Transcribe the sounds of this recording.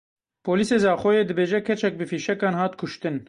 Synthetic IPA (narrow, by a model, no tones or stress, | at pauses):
pʰoːliːseːzɑːxʷɔjeːd̪ɨbeːʒɛkʰɛt͡ʃɛk̚bɨfiːʃɛkɑːnhɑːt̪kʰʊʃt̪ɨn